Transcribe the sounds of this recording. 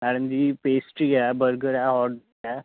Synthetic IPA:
aɽənd̪ipesʈiɡabəɾɡəɾaɦɔɾɖ | a

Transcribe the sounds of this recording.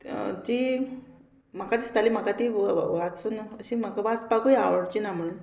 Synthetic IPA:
d͡ʑi | m̤akat͡ɕist̪alim̤akat̪iʋat͡sunəɕim̤akaʋat͡spakuja̰ʋəɽt͡ɕinam̤əɭ̃un

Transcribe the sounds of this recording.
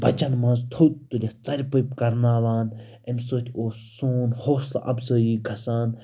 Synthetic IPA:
bɐt͡ʃɐnmãːzt̪ʰoːt̪̚t̪ːulʲit͡sɐɾʲpɨjpkɐɾnaːʋaːn | ensoːt̪ʲʰoːsoːnhoːsl̰ʔɐ̰bzəːjiːɡʱɐsaːn

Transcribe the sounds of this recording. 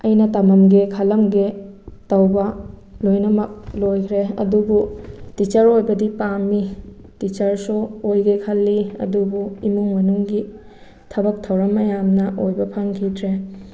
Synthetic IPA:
ɐjnɐtɐmɐmɡekʰɐlɐmɡetɐwbɐlojnɐmɐk̚lojkʰɾeɐdubutit͡ʃɐɾojbɐdipami | tit͡ʃɐɾsuojɡekʰɐlːiɐ̰dubuimuŋmɐnuŋɡi | tʰɐbɐk̚tʰɐwɾɐmɐjamnɐʔojbɐpʰɐŋkʰidɾe

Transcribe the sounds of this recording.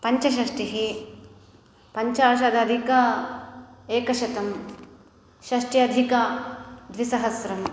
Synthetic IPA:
pɐɲt͡ʃɐʃɐʂʈiɦe | pɐɲt͡ʃaːʃaːd̪ɐd̪ʱikɐ | eːkɐʃɐt̪ɐm | ʃɐʂʈjɐd̪ʱikɐd̪ʋisɐɦɐsɾɐm

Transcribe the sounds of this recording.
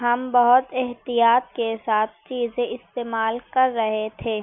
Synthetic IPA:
ɦɐmbɐɦʊt̪ɛɦt̪ijaːt̪̚kesaːt̪̚ʰt͡ʃiːzẽɪst̪eːmaːlkɐɾːɐɦet̪ʰeː

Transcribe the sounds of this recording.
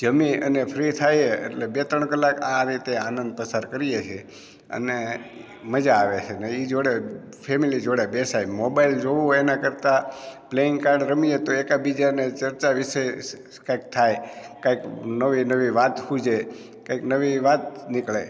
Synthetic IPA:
d͡ʒəmiə̰nepʰɾit̪ʰajeḛʈlebet̪ɾəɳkəlakãɾit̪eanənd̪̚pəsaɾkəɾijet͡ʃʰe | ə̰ne | məd͡ʒaːʋet͡ʃʰeneid͡ʒoɽe | pʰemilid͡ʒoɽebesajmobaild͡ʒoʋũenakəɾt̪apleiŋɡkaɾɖɾəmiet̪oekabid͡ʒanet͡ʃəɾt͡ʃaʋise | kaik̚t̪ʰajkaiknəʋinəʋiʋat̪hũd͡ʒe | kaiknəʋiʋat̪̚nɪkɭḛj

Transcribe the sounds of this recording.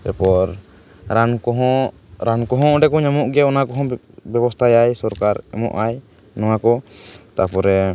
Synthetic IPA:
bɛ̰pɔɾ | ɾankɔɦɔ̃ | ɾankɔɦɔ̃ɖɛkɔɲamɔʔɡaɔnakɔɦɔ̃ | bɛbɔst̪ʰajajsɔɾkaɾɛ̰mɔ̰ʔaj | nɔwakɔt̪apɔɾɛ

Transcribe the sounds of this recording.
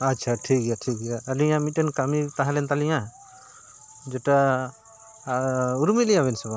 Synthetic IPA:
atːt͡ʃʰaʈʰik̚ɡjaʈʰik̚ɛjaəliamit̪̚ɛnkamit̪ãɦalɛnt̪alija | d͡ʒɛʈa | uɾumilijaβɛnsɔba

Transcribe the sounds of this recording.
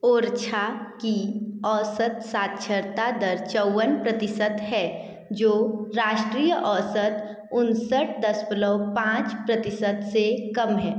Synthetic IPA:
oːɾt͡ʃʰakiɔːsət̪saːt̪̚t͡ʃʰəɾt̪ad̪əɾt͡ʃəʊːənpɾət̪ɪsət̪ɦɛ | d͡ʒoːɾaːʃʈɾiːjəʔɔːsət̪ | ʊnsəʈʰd̪əsbələwpãːt͡ʃpɾət̪ɪsət̪sekɐmɦɛː

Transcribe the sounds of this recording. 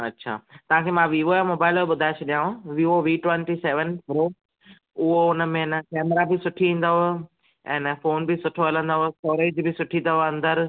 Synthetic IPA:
ɐtːɕʰa̰ːt̪ɐʋ̤ãkʰeːmãʋiːoːamoːbaːɪloɓʊd̪ʱaːɪt͡ɕʰʊɗijãːɦõʋiːoʋiːʈwɛ̃nʈiseːʋənpɾoː | ʊɦoʊnə̆mẽnəkɛːməɾabɪsʊʈʰiĩːn̆d̪aɦo | ɛ̃ːnəfoːnbɪsʊʈʰoɐlə̃nd̪aɦostʈɔːɾeːd͡ʑbɪsʊʈʰĩnd̪aɦoɐ̃nd̪əɾ

